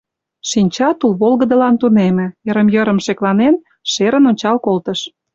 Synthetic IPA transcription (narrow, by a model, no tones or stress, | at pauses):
ʃinʲt͡ɕɑt̪ulβolɣə̆d̪əlɑnt̪unemĕjəɾəmjəɾə̆mʃeklɑnen | ʃeɾənonʲt͡ɕɑlkolt̪əʃ